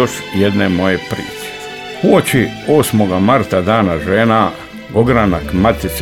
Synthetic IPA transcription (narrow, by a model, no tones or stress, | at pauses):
oʃ | jed̪nemo̞jepɾḭːt͡ʃe̥ | xuot͡ʃioːsmoɡamaɾt̪ad̪aːnaʒeːna | ɡoɡɾanakmat̪is